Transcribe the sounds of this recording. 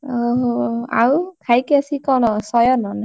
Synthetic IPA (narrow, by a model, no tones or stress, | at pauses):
oɦa̰wkʰajkasikɔɽ̃ɔsɔjɔnɔn